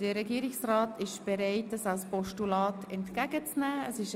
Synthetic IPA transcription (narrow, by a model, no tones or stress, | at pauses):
d̥əɾɛɡiːɾɪksraːtʰɪʃb̥ɛɾaɪtəsalspɔʃtulɑːtʰɛntkæɡət͡snæːəsɪʃ